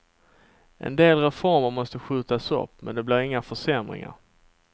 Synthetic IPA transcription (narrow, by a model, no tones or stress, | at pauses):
ʔɛ̰nd̪eːlɾɛfɔɾməɾmɔst̪əɧʉ̟ːt̪asɔ̰pːmɛnd̪ɛblɪːɾɪŋːafœʂɛmɾɪ̰ŋa̰ɾ